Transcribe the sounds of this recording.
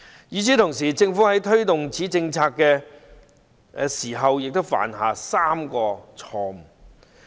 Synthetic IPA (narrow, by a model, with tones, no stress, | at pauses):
jiː˨˧t͡siː˨˥t̪ʰʊ˨˩ŋs̬iː˨t͡sɪ˧ŋfuː˨˥hɐ˨˥jt̪ʰɵ˥ɥt̪ʊ˨ŋt͡siː˨˥t͡sɪ˧ŋt͡sʰaː˧kːɛː˧ | siː˨˩ɦɐ˨wjɪ˨k̚t̪ʊ˥wfa̰ː˨˩nɦaː˨saː˥mkɔː˧t͡sʰɔː˧m